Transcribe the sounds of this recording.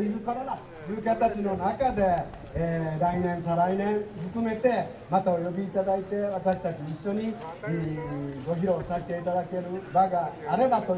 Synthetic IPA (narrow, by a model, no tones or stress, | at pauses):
izɨko̞ɾona | jɨːkʲat̪at͡ɕino̞nakad̪e̞ | ɾainẽ̞ɰ̃saɾainẽ̞ɰ̃ɸɯkɯ̟me̞t̪e̞ | mat̪aojo̞bʲiːt̪ad̪ait̪e̞βat̪aɕi̥t̪at͡ɕiːɕːo̞ɲi | ɡo̞çiɾo̞saɕi̥t̪e̞it̪ad̪ake̞ɾɯ̟baɡaːɾe̞bat̪o